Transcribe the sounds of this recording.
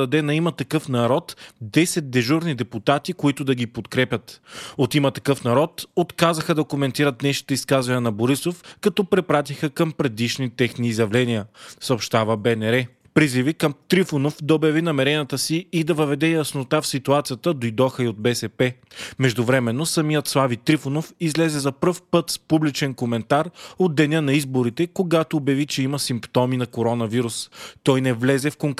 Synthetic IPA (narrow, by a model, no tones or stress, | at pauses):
ɐd̪ɛnɐimɐt̪ɐkɤfnɐɾɔt̪d̪ɛsɛt̪̚d̪ɛʒuɾnid̪ɛput̪at̪ikoit̪ʊd̪ɐɡipot̪kɾɛpʲjət̪ot̪imɐt̪ɐkɤfnɐɾɔt̪ot̪kazəxəd̪ɐkomɛnt̪iɾət̪nɛʃi̥t̪ɛiskazvɐnʲənɐboɾisofkɐt̪ɔpɾɛpɾat̪ixəkɐmpɾɛd̪iʃnit̪ɛxniːzjɐvlɛnijəsəopʃt̪avəbɛnɛɾɛ | pɾizivikɐmt̪ɾifʊnofd̪ɐobjɐvinɐmɛɾɛniət̪əsiid̪ɐvəvɛd̪ɛjɐsnot̪afsit̪uat̪sijət̪əd̪ojd̪ɔxəiod̪̚bɛsɛpɛ | mɛʒd̪ʊvɾɛmɛnːosɐmijət̪slˠavit̪ɾifonofizlɛzɛzɐpɾɤfpɤt̪spublit͡ʃɛnkomɛnt̪aɾod̪ːɛnʲənɐizboɾit̪ɛkoɡat̪oːbjɐvit͡ʃɛiməsimpt̪ɔminɐkoɾɔnɐviɾust̪ɔjnɛvlɛzɛfkoŋk